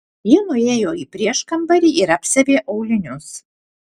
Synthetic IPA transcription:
jɪnʊeːjoːiːpʲɾʲiɛʃkɐmbɐɾʲiːʔɪɾɐpʲsʲɛʋʲeːʔɐʊlʲɪnʲʊs

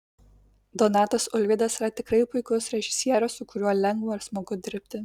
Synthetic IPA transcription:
d̪ɔnɑːt̪ɐsʊlʲʋʲɪd̪ɐsɾɐt̪ʲɪkɾɐɪpʊɪkʊsɾʲɛʒʲɪsʲiɛɾʲosʊkʊɾʲuɔlʲɛŋɡʋoːɪɾsmoːɡʊd̪ʲɪɾʲpʲt̪ʲɪ

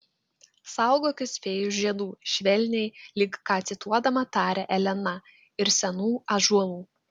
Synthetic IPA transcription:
sɑˑʊɡoːkʲɪsʲpʲeːjʊʒʲiɛd̪uːʃʲʋʲɛlʲnʲɛɪlʲɪkkːɑːt̪sʲɪt̪ʰuɔd̪ɐmɐt̪ɑːɾʲɛʔɛlʲɛnɐ | ɪɾsʲɛnuːɐʒuɔlˠuː

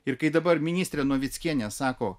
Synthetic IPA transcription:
ɪɾkɐɪd̪ɐbɐɾmʲɪnʲiːst̪ʲɾʲɛːnuɔʋʲɪt̪sʲkʲiɛnʲɛsɑːkoː

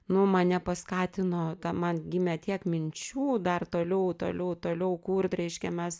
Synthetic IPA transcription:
nʊmɐnnʲɛpɐskɑːt̪ʲɪnoːt̪ɐmɐnɡʲɪmʲɛt̪ʲiɛkmʲɪnʲt͡ʃʲuːd̪ɐrt̪oːlʲɛʊt̪o̰ːlʲɛʊt̪oːlʲɛʊkuːrt̪ɾʲɛɪʃʲkʲɛmʲɛs

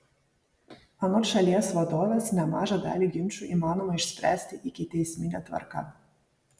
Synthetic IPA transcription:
ɐnoːʃɐlʲiɛsʋɐd̪oːʋʲɛsnʲɛmɑːʒɑd̪ɑ̰ːlʲiɡʲɪmʲt͡ʃʲuʔiːmɑːnoːmɐɪʃʲsʲpʲɾʲæ̰ːsʲt̪ʲɪʔɪkʲɪt̪ʲɛɪsʲmʲɪnʲɛt̪ʋɐ̰ɾkɐ̰

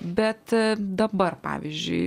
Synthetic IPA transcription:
bʲɛt̪d̪ɐbɐrpɑ̰ːʋʲḭzʲd͡ʒʲʊ̰ɪ

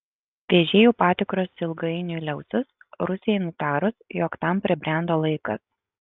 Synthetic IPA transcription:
ʋʲeːʒʲeːjuːpɑːt̪ʲɪkɾoːsɪlˠɡɐɪnʲʊlʲɛʊsʲʊsɾʊsʲɪjɛɪnʊt̪ɑːɾʊsjoːkt̪ɐmpʲɾʲɪbʲɾʲæˑnd̪oːlˠɐɪkɐs

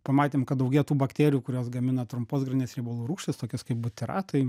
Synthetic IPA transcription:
pɐmɑːt̪ʲeːmkɐt̪̚d̪ɐʊɡʲiːt̪uːbɐkt̪ʲeːɾʲɪjuːkʊɾʲoːsɡɐmʲɪnɐt̪ɾʊmpoːsɡɾʲɐnʲeːsɾʲɛɪboːlˠuːɾuːʃʲt̪ʲɪst̪oːkʲɪskɐɪp̚bʊt̪ʲɪɾɑ̰ːt̪ɐɪ

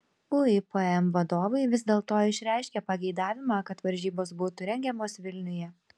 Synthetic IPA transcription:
ʊɪpɐɛmʋɐd̪oːʋɐɪʋʲɪzʲd̪ʲeːlˠt̪oːɪʃʲɾʲæˑɪʃʲkʲɛpɐɡʲɛɪd̪ɑːʋʲɪmɑːkɐt̪ʋɐɾʲʒʲiːboːsbuːt̪ʊɾʲɛŋʲɡʲɛmoːsʋʲɪlʲnʲʊjɛ

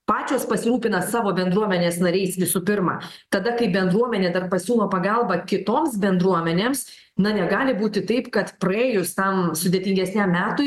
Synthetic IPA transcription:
pɑːt͡ʃʲoːspɐsʲɪɾuːpʲɪnɐsɑːʋoːbʲɛnd̪ɾuɔmʲɛnʲeːsnɐɾʲɛɪsʋʲɪsuːpʲɪɾmɑ̰ːt̪ɐd̪ɐkɐɪbʲɛnd̪ɾuɔmʲɛnʲeːd̪ɐrpɐsʲuːlˠoːpɐɡɐlˠbɐkʲɪt̪oːmsbʲɛnd̪ɾuɔmʲɛnʲeːms | nɐnʲɛɡɑːlʲɪbuːt̪ʲɪt̪ɐɪpkɐt̪pɾɐeːjʊst̪ɐmsʊd̪ʲeːt̪ʲɪŋɡʲɛsʲnʲæmːʲæːt̪ʊ

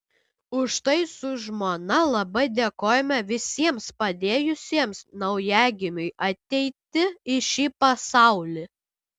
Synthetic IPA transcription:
ʊʃt̪ɐɪsʊʒmoːnɐlˠɐbɐɪd̪ʲeːkoːjɛmʲɛʋʲɪsʲiɛmspɐd̪ʲeːjʊsʲiɛmsnɐʊjæːɡʲɪmʲʊɪʔɐt̪ʲɛɪt̪ʲɪɪʃʲiːpɐsɑˑʊlʲɪ

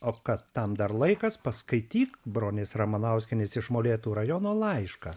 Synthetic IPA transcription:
oːkɐt̪ːɐmd̪ɐrlˠɐɪkɐspɐskɐɪt̪ʲiːkbɾoːnʲeːsrɐmɐnɐʊsʲkʲɪnʲɪsɪʃmoːlʲeːt̪uːɾɐjoːnoːlˠɐɪʃkɐː

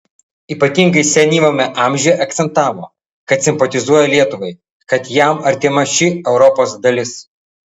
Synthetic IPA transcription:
iːpɐt̪ʲɪŋɡɐɪsʲɛnʲiːʋomʲɛʔɑˑmʲʒʲɛjɛʔɐk̚t̪sʲɛnt̪ɑːʋo̰ː | kɐt̪sʲɪmpɔt̪ʲɪzuɔjɛlʲiɛt̪ʊʋɐɪ | kɐt̪jɛmɐɾʲt̪ʲɪmɐʃʲɪɛʊɾɔpoːsd̪ɐlʲɪs

